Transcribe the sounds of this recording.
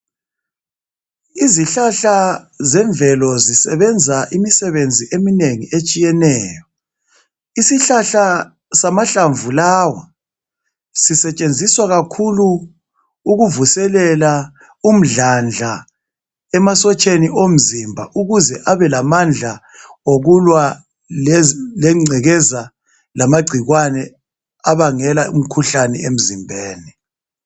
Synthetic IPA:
iziɬaɬa | zɛɱvʱɛlɔzisɛβɛnd͡zʱaʔimisɛβend͡zʱiʔemineŋiet͡ʃʼijɛnɛːjɔ | isiɬaɬa | samaɬaɱvulawa | sisɛt͡ʃʼend͡zʱiswaɣakʰuluː | ɣuvusɛlɛla | um̩ɮand͡ɮʱa | ɛmasɔt͡ʃʼeniʔom̩zimbʱa̰ʔuɣuzɛʔaβɛlamand͡ɮʱa | oɣulwa | llɛŋ͡ǀʱɛɣɛza | lamaɡ͡ǀʱiɣwanɛ | aβaŋɛlaṵm̩kʰuɬanɛ̰em̩zimbʱeːni

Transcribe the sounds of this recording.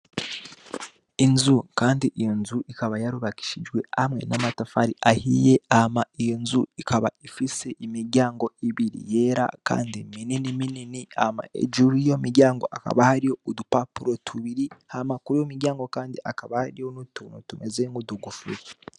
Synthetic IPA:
inzukaːndiʔijonzuʔikaβajaɾuβaki̥ʃid͡ʒɡwe̞amŋe̞̰namatafaɾiʔahije̞amaijonzuikʰaβa̰ifiseʔimiɾɟaːŋɡo̞iβiɾḭje̞ɾa̰ka̰ːndimininimininiama̰ḛd͡ʒuɾijo̞miɾjaːŋɡo̞̰ʔaka̰βahaɾijo̞udupapuɾotʰuβiɾihamakuɾujomiɾɟaːŋɡo̞kaːndiʔakaβahaɾijonutuːnotumezeŋɡuduɡufuɾa

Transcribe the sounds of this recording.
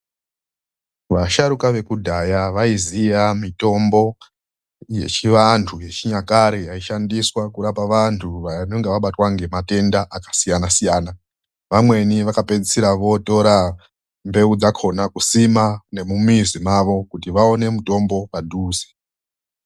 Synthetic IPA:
ʋaʃaɾukaʋe̞kudʱajaʋaizijamito̞mbo̞ | je̞̰t͡ʃiʋantʰuje̞t͡ʃiɲakaɾijaiʃandiswakuɾapaʋantʰuʋano̞ŋɡe̞ʋaɓatwaŋɡe̞mate̞ndaʔakḁsijanasijaːna | ʋamwe̞niʋakape̞d͡zisiɾaʋo̞to̞ɾa | mbe̞ud͡zakʰo̞nakusimane̞mumizimaʋo̞kutiʋao̞ne̞muto̞mbo̞padʱuːze̥

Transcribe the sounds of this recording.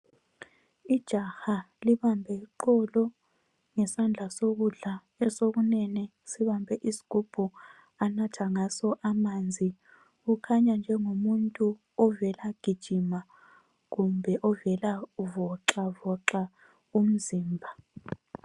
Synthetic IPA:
id̥ʒ̥ʱaxa | liβambʱɛǃɔlɔ | ŋɛsand͡ɮʱasoɣuɮa | ɛsok̬unɛnɛ | siβambʱɛʔisi̥ɡ̥ʱub̥ʱu | anatʰaŋasɔʔamaːnd͡zʱi | ukʰaɲand͡ʒʱɛŋomuntʼu | ɔvɛlaɡ̥ʱid̥ʒ̥ʱima | ɣumbʱɛʔɔvɛlavɔǁavɔǁa | um̩ziːmbʱa

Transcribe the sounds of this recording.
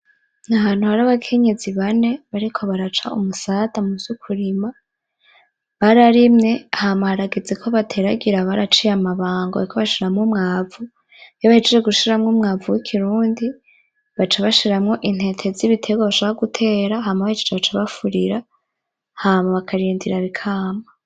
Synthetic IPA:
nahaːn̥uhaɾaβakʰe̞ɲe̞ziβane̞βaɾikʰo̞βaɾat͡ʃaṵmusatamuzukʰuɾima | βaɾaɾimŋe̞hamahaɾaɡed͡zekʰo̞βatʰeɾaɡiɾaβaɾat͡ʃijamaβaːŋɡoa̰ikʰoβaʃiɾamŋumŋaːvu | joβahid͡ʒed͡ʒeɡuʃiɾamŋumŋaːvuwikʰiɾuːndi | βat͡ʃaβaʃiɾamŋo̞ʔin̥he̞tʰe̞ziβitʰe̞ɡaβaʃoβaoɡutʰe̞ːɾahaːmaβahid͡ʒed͡ʒeβat͡ʃaβafuɾiɾa | hamaβakʰaɾiːndiɾaβikʰaːma

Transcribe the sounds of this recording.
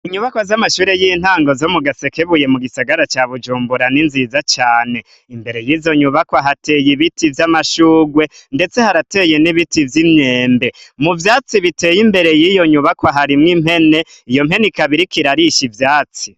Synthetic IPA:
iɲuβakwazamaʃuːɾejin̥haːŋɡo̞zo̞muɡase̞keβuje̞muɡisaɡaɾat͡ʃaβud͡ʒuːmbuɾaninzizat͡ʃaːne̞ | imbe̞ɾe̞jizo̞ɲuβakwaɦatejiβitivjamaʃuːɡwe̞nde̞t͡se̞haɾate̞jeniβitivjimɲe̞ːmbe̞muvjaːt͡siβite̞ːjimbe̞ɾe̞jijo̞ɲuβakwaɦaɾimŋim̥he̞ne̞ | ijo̞m̥he̞nikaβiɾikiɾaɾiʃivjaːt͡si

